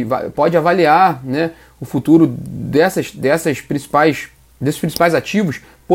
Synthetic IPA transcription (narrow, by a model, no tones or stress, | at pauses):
va̰pɔd͡ʒɪavaliaɾnɛ | ʊfut̪uɾʊd̪ɛsɐʃd̪ɛsɐʃpɾĩsi̥pajʃ | d̪esɪ̥ʃpɾĩsi̥pajzat͡ʃivʊʃ | po